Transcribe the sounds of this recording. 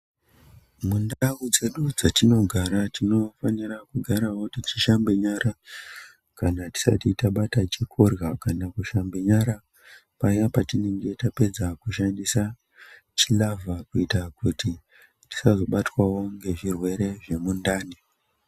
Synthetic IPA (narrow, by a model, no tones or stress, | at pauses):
mundaud͡ze̞ɗud͡zatino̞ɡʱaɾatino̞fanirakuɡʱaɾawo̞tit͡ʃiʃambeɲaɾa | kanati̥sa̰titaɓatat͡ʃikʰorɣakanakuʃambeɲaɾa | pajapatine̞ŋɡe̞tape̞d͡zakuʃandisa | t͡ʃilavʱakuitakuti | ti̥sazoɓatwawo̞ŋɡe̞ʐirwe̞ɾe̞ʐe̞mundaːni